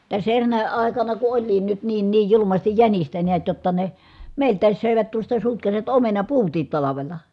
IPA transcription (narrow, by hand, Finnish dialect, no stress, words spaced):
tæs erːæːnæ̆ ɑˑekɑnɑ ku olʲliːn nyt niːn niːj julumɑstij jænistæ niæt jotːɑ ne meˑi̯ltˑæːs søˑeʋæt tuostɑ sutkɑsiʋɑt omenɑpuːtiːt tɑlɑʋelɑ